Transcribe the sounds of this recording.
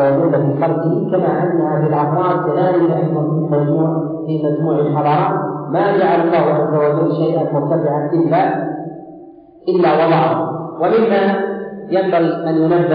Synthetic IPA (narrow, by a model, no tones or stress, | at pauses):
wd͡ʒuːd̪afiːfɑlt̪ɪhkamaʔanːaʔabɪlʔɑxɾˤɑːd̪̚ˤb̪ɪʔaːlɪkaʔɑjðˤɑnfimad͡ʒmuːʕ | fimad͡ʒmuːʕalħɑɾˤɑːmmad͡ʒaʕalɑlˤːɑːhʊʕazːawad͡ʒalːʃajʔanmʊɾt̪abɪʕanʔɪlːa | ʔɪlːawɑlˤːɑːhwɪʔɪmːajambaɣiʔanjʊnabːɪ